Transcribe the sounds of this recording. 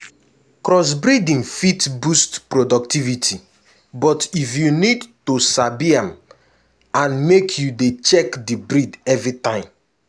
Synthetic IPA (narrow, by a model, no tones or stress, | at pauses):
kɾɔs̬bɾidĩnfitbustpɾodɔktivitʰi | bɔtifjunidtusabiãm | ãnmekʰjudet͡ʃɛkdibɹidɛvɾitãɪ̃m